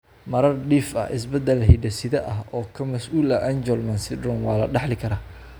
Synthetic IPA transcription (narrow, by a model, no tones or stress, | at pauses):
mɐɾɐrɖiːfɐ̰ɪ̰s̬bɐd̪ɐlɦiɖɐsɪðɐʔɐɦɔːkʰɐmɐsʔuːlɐʔand͡ʒɔlmɐnsɪd̪rɔnwɑːlɐ̰ɖɑħlɪkʰɐɾaː